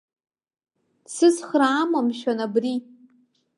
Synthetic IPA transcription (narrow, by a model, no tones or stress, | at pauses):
sɨzχraːmamʃanabri